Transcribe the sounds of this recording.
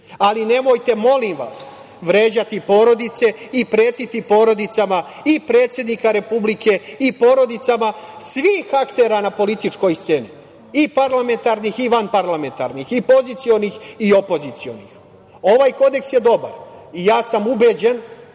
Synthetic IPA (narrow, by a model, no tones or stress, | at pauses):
aline̞mo̞jt̪e̞mo̞limʋa̰s | ʋɾe̞ːd͡ʑat̪ipo̞ːɾo̞d̪it̪se̞ipɾe̞ːt̪it̪ipo̞ːɾo̞d̪it̪sama | ipɾe̞ːt̪sjed̪nikaɾe̞publikʰe̞ipo̞ɾo̞d̪it̪samasʋiːxakt̪e̞ːɾanapo̞lit̪it͡ʃko̞jst̪se̞ːni | ipaɾlame̞nt̪aɾnixiʋanpaɾlame̞nt̪a̰ɾnixipo̞zit̪sijo̞nixio̞po̞zit̪sio̞̰nḭx | o̞ʋaːjko̞d̪e̞ksje̞d̪o̞ba̰ɾijaːsamube̞ːd͡ʑen